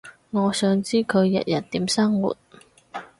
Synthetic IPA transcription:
ŋɔː˨˧sœː˨˧ŋt͡siː˥kʰɵ˨˧ɥjɐ̰˨t̚jɐ˨˩t̚t̪iː˨˥msɐ˥ŋwṵ˨˩t̚

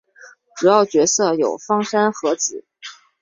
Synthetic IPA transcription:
ʈ͡ʂɻ̩˨˩jɑ˥˩ʊt͡ɕɥɛ˧˥sɤ˥˩jo˨˩ʊfɑ˥˩ŋʂa˥nxɤ˧˥t͡sɹ̩˨˩˦

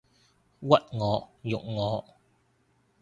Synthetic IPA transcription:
wɐ˦˨t̚ŋɔː˨˧jʊ˨k̚ŋɔː˨˧˦

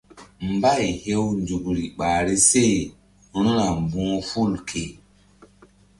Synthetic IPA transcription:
mba˦˨jhe˦wnd͡ʒu˨kɾi˨ɓa˨ɾi˦se˦ | ɾ̃ũ˦ɾa˨mbũ˦fu˦˨lkʰe˨

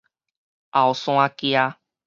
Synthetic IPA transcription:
a˨o˨sõ˧ã˧ki˧a˦

